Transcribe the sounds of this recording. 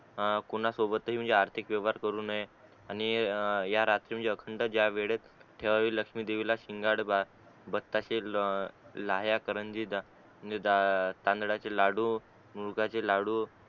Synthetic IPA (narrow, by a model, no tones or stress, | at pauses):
kunasobət̪ːəɦiːm̤əɳd͡zeaɾt̪ʰikʋjəʋaɾkəɾuːnaɦe | añijaɾat̪ɾiːm̤əɳd͡zeəkʰəɳɖəd͡ʑjaʋeɭet̪ʈʰeʋaʋiːləkʂmiːd̪eʋilaɕiŋɡaɽba | bət̪ːaɕe | laɦjakəɾənd͡ʑid̪a | m̤əɳd͡zed̪at̪ãnd̪ɽat͡ɕelaɽuː | muɾɡat͡selaɽuː